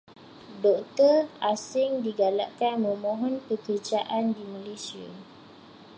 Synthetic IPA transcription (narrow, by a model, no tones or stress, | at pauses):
dɔk̚t̪ɔrasɪŋdiɡalaʔkanmə̃mɔ̃ɦɔnkəkərd͡ʒaʔandimãlesia̰